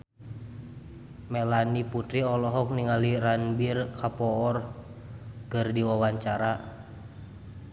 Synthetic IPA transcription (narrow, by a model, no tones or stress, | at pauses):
mɛlaniput̪ɾiɔlɔɦɔk̚niŋaliranbirkʰapɔɔr | kɨrdiwawaɲt͡ʃaɾa